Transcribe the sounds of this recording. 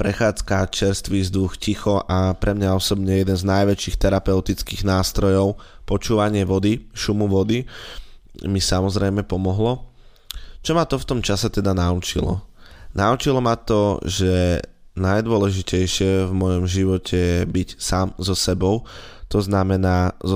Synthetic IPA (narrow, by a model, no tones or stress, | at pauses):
pɾɛxaːt͡skat͡ʃɛɾst̪ʋiːzd̪uxcixɔʔapɾʔɛmɲaɔsɔbɲɛjɛd̪ɛnznajʋɛt͡ʃiːxt̪ɛɾapɛʊt̪it͡skiːɣnaːst̪ɾɔjɔʊpɔt͡ʃuːʋaɲɪɛʋɔd̪iʃumuʋɔd̪i | misamɔzɾɛjmɛpɔmɔɦlɔ | t͡ʃɔmat̪ɔft̪ɔmt͡ʃasɛt̪ɛd̪anaut͡ʃilɔ̰naut͡ʃilɔmat̪ɔʒɛ | najd̪ʊɔlɛʒicɛjʃɪɛvmɔjɔmʒiʋɔcʰɛjɛbicsaːmzɔsɛbɔʊ | t̪ɔznamɛnaː